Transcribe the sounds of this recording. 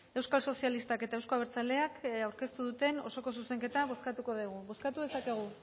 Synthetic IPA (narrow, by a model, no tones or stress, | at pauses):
e̞wskalso̞sijalist̪ake̞t̪aewsko̞aβeɾt͡sale̞akawɾke̞st̪uðut̪e̞no̞̰so̞ko̞s̬use̞ŋke̞t̪aβo̞skat̪uko̞ðiɣ̞uβo̞skat̪uðe̞sake̞ɣ̞u